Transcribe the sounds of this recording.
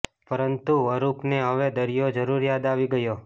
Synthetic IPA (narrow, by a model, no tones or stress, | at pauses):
pəɾənt̪uʋəɾupneɦəʋed̪əɾijod͡ʒəɾuɾjad̪aʋiɡəjo